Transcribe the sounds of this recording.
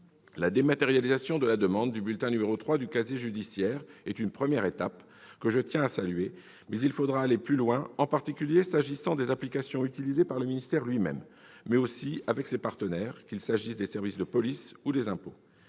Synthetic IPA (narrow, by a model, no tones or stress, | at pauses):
lad̪emat̪eʁjalizasjɔ̃d̪əlad̪əmɑ̃d̪ːybylt̪ɛ̃nymeʁot̪χwad̪ykazeʒyd̪isjɛːʁɛt̪ynpχəmjɛʁet̪ap | kəʒət̪jɛ̃asalɥe | mɛzilfod̪ʁaːleplylwɛ̃ɑ̃paʁt̪ikʲyljesaʒisɑ̃d̪ezaplikasjɔ̃yt̪ilizepaʁləminist̪ɛʁlɥimɛ̰mː | ɛosiavɛksepaʁt̪ənɛʁkʲilsaʒisd̪esɛʁvisd̪əpɔlisud̪ezɛ̃po